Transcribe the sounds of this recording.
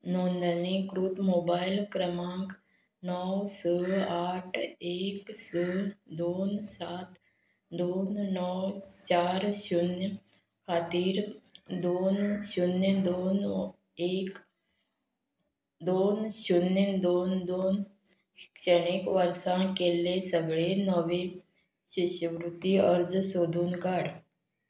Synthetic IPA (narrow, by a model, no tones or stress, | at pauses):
noːnd̪ənẽkɾut̪moːbaːɪlkɾəmãːŋk | nɔːwsəːaːʈʰeːksəːd̪oːnsaːt̪ | d̪oːnnɔːt͡ʃaːɾʃʊnj | kʰaːt̪iːɾd̪oːnʃʊnjəd̪oːn | eːk | d̪oːnʃʊnjəd̪oːnd̪oːn | t͡ʃəneːkʋəɾsãkelesəɡɭenəʋe | ʃɪʃəʋɾʊt̪ːiɔɾd͡ʒsoːd̪ʱuːnkaːɽ